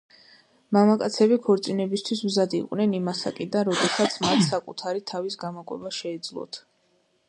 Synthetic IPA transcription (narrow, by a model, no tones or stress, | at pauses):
mamakʼat̪sʰɛbikʰɔɾt̪sʼinɛbist̪ʰwismzad̪ḭqʼwnɛnimasakʼid̪anɾɔd̪ɛsat̪sʰmat̪ʰsakʼut̪ʰaɾit̪ʰavisɡamɔkʼwɛ̰baʃɛːd̪zlˠɔ̰t̪ʰ